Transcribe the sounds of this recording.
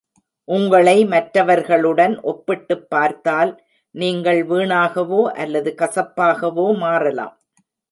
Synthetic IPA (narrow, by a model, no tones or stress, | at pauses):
ʔʊŋɡɐɭɐɪmɐʈɾɐʋɐɾɣɐɭɯɽɐnʔɔpːɪʈːɯpːaːɾt̪aːl | niːŋɡɐɭʋiːɳaːɣɐʋoːʔɐlːɐðɯkɐsɐpːaːɣɐʋoːmaːrɐla̰ːm